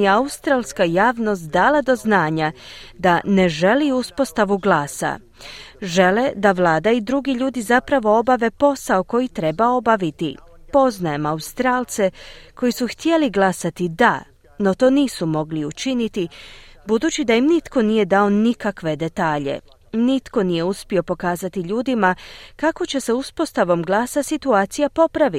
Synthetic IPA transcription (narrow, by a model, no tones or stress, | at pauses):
eaust̪ɾaːlˠskajaːʋno̞s̬t̪d̪aːlad̪o̞znaːɲad̪ane̞ʒe̞liuspo̞st̪aʋuɡlˠaːsa̰ | ʒe̞led̪aʋlaːd̪aid̪ɾuɡiʎuːd̪izapɾaʋo̞obaʋe̞po̞saoko̞jit̪ɾe̞bao̞baʋit̪ḭpo̞znajemaust̪ɾaːlˠt̪se̞ko̞jisuxt̪je̞liɡlˠasat̪id̪a | no̞t̪o̞ːniːsumo̞ɡliut͡ʃinit̪ibud̪uːt͡ɕid̪ajimnit̪ko̞nije̞d̪ao̞nikakʋe̞d̪e̞t̪aːʎe̞̰ | nit̪ko̞nije̞uspio̞po̞kaːzat̪iʎuːd̪imakako̞t͡ɕe̞seuspo̞st̪aʋo̞mɡlˠaːsasit̪uaːt̪sijapo̞pɾaʋi